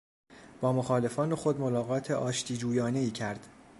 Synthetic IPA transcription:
b̥ɒːmoxɒːle̞fɒːnoxo̞d̪mo̞lɒːɣɒːt̪ʰeʔɒːʃt̪ʰiːd͡ʒuːjɒːne̞iːcʰæɾd̪̥

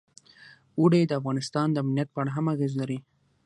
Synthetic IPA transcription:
wuɽed̪əafɣɑnɪst̪ɑnd̪əamnijat̪̚pəaɽaɦamaɣezlaɾi

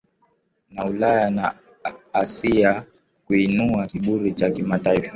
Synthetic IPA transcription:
naulajana | asia | kuinuakiɓuɾit͡ʃakimataifa

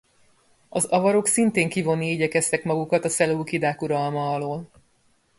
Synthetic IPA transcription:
ɒzɒvɒɾo̞ksint̪eːŋkivo̞nːiiɟɛkɛst̪ɛkmɒɡukɒt̪ɒsɛluːkid̪aːkuɾɒlmɒːloːl

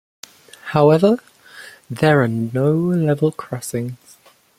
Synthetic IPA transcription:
haʊɛvə | ðəɹənoʊlɛvəlˠkʰɹ̥ɒsɪ̃ŋz̥

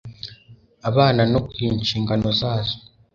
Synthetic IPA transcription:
aβaːnano̞kwiːnʃiːŋɡano̞zaːzo̥

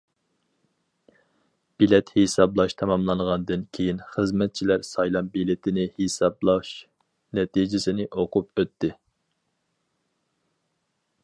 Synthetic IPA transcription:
b̥ilɛt̪hesɑblˠɑʃt̪ʰɛmɑmlˠɑɴʁɑnd̪ɨnkʲʰejinχəzmɛt̪̚t͡ʃʰilæɾsɑjlˠɑmbilɪt̪ʰɪnɪhesɑblˠɑʃ | nɛt̪ʰid͡ʒɪsɪnɪʔoqʰup̚øt̪ːɪ

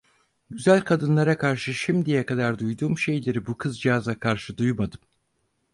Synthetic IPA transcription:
ɟyzælʲkʰad̪ɯnlˠaɾakʰaɾʃɯʃimd̪ijɛkad̪aɾd̪ujd̪uːmʃe̞jlʲe̞ɾibukʰɯzd͡ʒiɦazakʰaɾʃɯd̪ujmad̪ɯm

